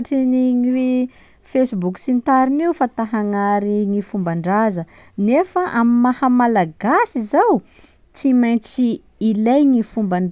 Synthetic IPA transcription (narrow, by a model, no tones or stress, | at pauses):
ʈ͡ʂiniŋiɾi | fejsbuksint̪aɾiniufat̪aɦaŋaɾiŋifumbaɳɖ͡ʐazə | nefaʔamimahəmalaɡasizaw | t͡simajnt͡siː | lajɲifumbaɳɖ͡ʐ